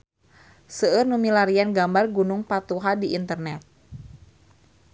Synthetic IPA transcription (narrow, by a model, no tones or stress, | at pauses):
səərnumilaɾianɡambarɡunʊŋpat̪uɦadiʔint̪ərnɛt̪̚